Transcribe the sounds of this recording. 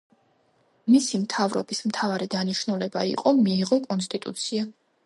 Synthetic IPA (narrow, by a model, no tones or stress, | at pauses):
misimt̪ʰavɾɔ̰bismt̪ʰavaɾid̪aniʃnulɛba̰ḭqʼɔmiːʁɔkʼɔns̬t̪ʼit̪ʼṵt̪sʰia